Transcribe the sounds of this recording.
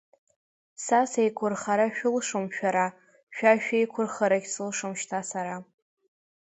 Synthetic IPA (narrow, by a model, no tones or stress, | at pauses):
sasejkʷʰʊrχaɾaʃᶣʊlʂɨmʃᶣaɾa | ʃᶣaʃᶣejkʷʰʊrχaɾaɡʲsɨlʂɨmʃtʰasaɾa